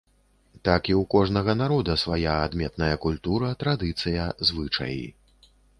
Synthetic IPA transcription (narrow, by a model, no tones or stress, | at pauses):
t̪akiwkɔʐnɐɣɐnaɾɔd̪ɐsvajaːd̪mʲɛt̪nɐjɐkulʲt̪uɾɐt̪ɾad̪ɨt̪sɨjɐzvɨt͡ʂɐ̰jḭ